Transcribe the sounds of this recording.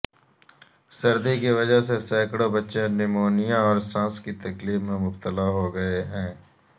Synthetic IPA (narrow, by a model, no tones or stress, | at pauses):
sɐɾd̪ikiʋɐd͡ʒaɦsesɛːkɽobɐtːʃẽnɪmoːnijãɔːɾsãːskit̪ɐkliːbmẽmʊb̚t̪əlaɦoɡɐeɦɛ̃ː